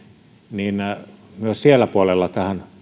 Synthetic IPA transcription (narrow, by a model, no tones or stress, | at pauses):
niːnmyøssielːˑæpuolelːɑt̪æhæn